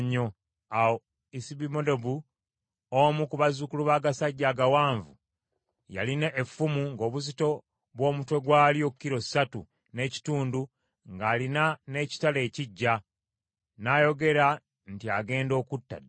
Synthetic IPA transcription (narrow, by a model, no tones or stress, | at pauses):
ɲːo | awo | isibimodobu | omukuβazukuluβaːɡasaɟːaːɡawaːɱvu | ja̰lineʔːfːumuŋɡo̞ːβuzito̞ | βwo̞ːmutwe̞ɡwaːlijo̞kukːiɾo̞satṵ | ne̞ːci̥tuːndu | ŋɡaːlinane̞ːci̥tale̞ːciɟːa | najo̞ɡe̞ɾa | ntiaɡe̞ːndo̞ːkutːa̰